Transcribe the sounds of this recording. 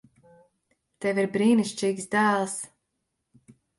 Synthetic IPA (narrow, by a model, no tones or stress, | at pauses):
t̪ɛviɾbɾiːniʃt͡ʃiːɡsd̪æːlˠs